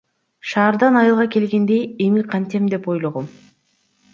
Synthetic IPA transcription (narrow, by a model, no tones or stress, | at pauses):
ʃɑːɾd̪ɑnɑjɯlˠʁɑke̞lɡe̞nd̪e̞jemiqʰɑnt̪e̞md̪e̞po̞jlˠoʁom